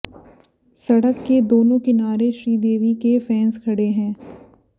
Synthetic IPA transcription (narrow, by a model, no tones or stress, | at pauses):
sɐɽəkːed̪oːnõkinaːɾeʃɾiːd̪eːʋikefɛ̃ːnzkʰɐɽeɦɛ̃ː